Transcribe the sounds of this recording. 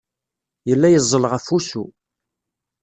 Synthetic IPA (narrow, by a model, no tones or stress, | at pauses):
jəlːæjəzˤːəlʁəfusu